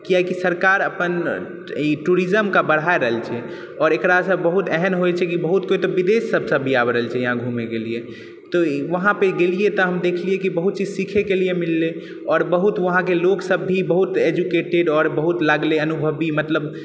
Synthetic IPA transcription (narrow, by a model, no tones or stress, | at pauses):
kijakisəɾkaɾəpən | iʈuɾizəmkabəɽ̤aeɾəɦəlt͡ʃʰɛ | ɔːɾekɾasəbəɦut̪ɛɦɛnɦoɛt͡ʃʰɛkibəɦut̪̚koit̪ɔʋid̪esːəbʱsəbːʱiabɾəɦəlt͡ʃʰɛjəɦãɡʱumeɡelie | t̪ɔʋəɦãpeɡeliet̪ɔɦəmd̪ekʰliekibəɦut̪̚t͡ʃid͡ʒsikʰekeliemilːe | ɔːɾbəɦut̪ʋəɦãk̬eloksəbːʱibəɦut̪ed͡ʒukeʈeɖɔːɾbəɦut̪laɡleənubʱəbimət̪ləb